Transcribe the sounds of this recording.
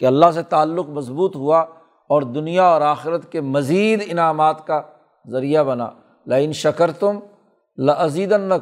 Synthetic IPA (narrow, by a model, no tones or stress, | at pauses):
keɐlːaɦs̬et̪aːlːʊkmɐsbuːt̪ɦua | ɔːɾd̪ʊnijaɔːɾaːxɪɾət̪kemɐziːd̪ɪnaːmaːt̪ka | zɐɾijabɐna̰ː | laːkɪnʃɐkəɾt̪ʊm | lɐʔɐziːd̪ənːɐ